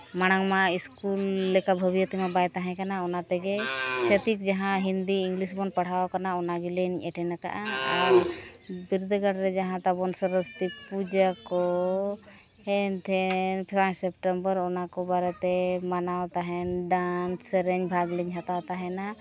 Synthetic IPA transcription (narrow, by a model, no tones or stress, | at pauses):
maɽ̃aŋmaiskulːɛkabʱəbijɔt̪ɛmabajt̪aɦɛ̃kanaɔnat̪ɛɡɛsət̪ik̚d͡ʒaɦãɦind̪iːŋɡlis̬bɔnpaɽ̤awkanaɔnaɡilɛɲʔɛʈʰɛnaka̰ʔaaɾbiɾud̪əɡaʈɾɛd͡ʒaɦãt̪abɔnsəɾəst̪ipud͡ʒakɔ | hɛnt̪ʰɛnpʰajsɛpʈɛmbəɾɔnakɔbaɾɛt̪ɛmanawt̪aɦɛnɖanssɾɛɲbʱaɡliɲɦat̪awt̪aɦɛna